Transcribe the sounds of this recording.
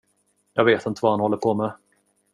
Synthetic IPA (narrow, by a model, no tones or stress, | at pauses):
jɑːɡveːt̪ɪnt̪əvahanhɔlːəɾpʰomɛ